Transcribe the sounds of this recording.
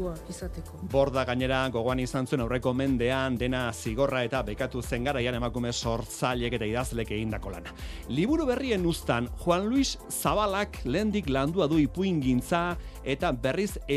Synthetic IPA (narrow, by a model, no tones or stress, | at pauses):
aisat̪ekobo̞ɾðaɣaɲe̞ɾaɡo̞ɣ̞o̞anisansue̞nawre̞ko̞me̞nd̪e̞and̪e̞nasiɣ̞o̞rae̞t̪aβejkat̪use̞ŋɡaɾajane̞makume̞so̞ɾt͡saʎe̞ke̞t̪aiðazle̞ke̞ɣ̞ind̪ako̞la̰naliβuɾuβe̞rie̞nust̪anxwanluis | saβalakle̞ːnd̪ikland̪uaðuipuiŋɡint͡sae̞t̪abe̞rise